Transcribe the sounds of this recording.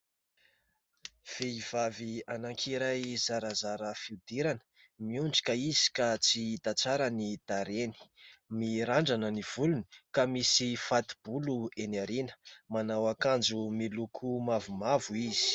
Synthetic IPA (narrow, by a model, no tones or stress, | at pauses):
v̥eiv̥avianaŋkʰiɾajzaɾazaɾəfiud̪̥iɾanə̥ | miuɳɖ͡ʐi̥kaizi̥kat͡sid̪at͡saɾanid̪̥aɾeni̥miɾaɳɖ͡ʐanəniv̥uluni̥kamisifat̪i̥b̥uluenaɾinə̥manawakand͡zumilukʰumavumavuiz̥i̥